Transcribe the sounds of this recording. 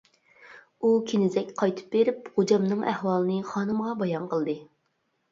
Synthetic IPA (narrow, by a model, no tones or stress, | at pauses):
ukʲʰenɪzɛkʲqʰɑjt̪ʰɨ̥p̚beɾɪpʁod͡ʒɑmnɨŋɛhwɑːlˠɨnɨχɑːnɨmʁɑbɑjɑnqʰəlˠd̪ɨ